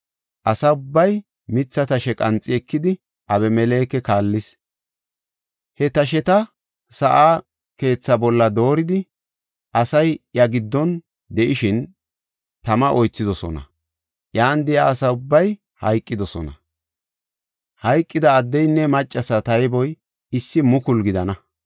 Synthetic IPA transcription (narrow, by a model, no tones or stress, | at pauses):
ʔɐsɐʊbːɐj | mɪt͡sːɐt̪ɐʃɛkʼɐnt͡sʼːɪɛkːɪd̪ɪ | ʔɐbɛmɛle̞ːkɛkaːlːɪs | hɛt̪ɐʃ̬ɛt̪ɐ | sɐʔaː | ke̞ːt͡sːɐbɔlːɐd̪o̞ːɾɪd̪ɪ | ʔɐsɐjjɐɡɪd̪ːɔn | d̪ɛʔɪʃɪn | t̪ɐmɐʔɔjt͡sːɪd̪ɔsɔ̰nɐ̰ | ʔjaːnd̪ɛjaːsɐʊbːɐj | hɐ̰jkʼːɪd̪ɔsɔ̰nɐ̰ | hɐjkʼːɪd̪ɐːd̪ːɛjnːɛmɐt͡ʃʼːɐsɐt̪ɐjbɔj | ɪsːɪmʊkʊlɡɪd̪ɐnɐ